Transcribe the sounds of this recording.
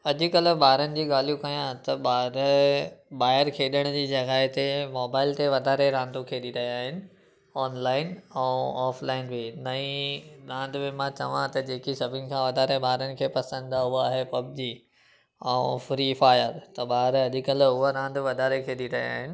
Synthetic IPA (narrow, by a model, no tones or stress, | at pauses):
ɐʄʊ̆kɐlə̆ɓaːɪɾənɪ̆d͡ʑiːɠaːl̤ijũkɐjãt̪ɐɓaːɾ | ɓaːɪɾkʰeːɗəɽ̃ʊd͡ʑiːd͡ʑɐɡaːɪt̪emɔːbaːɪlt̪eʋɐd̪ʱaːɾeɾãːnd̪ukʰeːɗiɾɐɦiaːɦɪnɪ̆ | ɔːnlaːɪnɛ̃ɔːflaːɪnbɪnɐĩɾãːnd̪bɪ̃mãt͡ɕɐʋãt̪ɐd͡ʑeːkisɐbʱɪnɪ̆kʰãʋɐd̪ʱaːɾeɓaːɪɾənɪ̆kʰeːpɐsə̃nd̪d̪aʊɦaaːɦepɐb̚d͡ʑiː | ɛ̃fɾifaːjəɾt̪ɐɓaːɦɪɾɐʄɪ̆kɐlʊɦaɾãːnd̪ʋɐd̪ʱaːɾekʰeːɗiɾɐɦia̰ːɦɪnɪ̆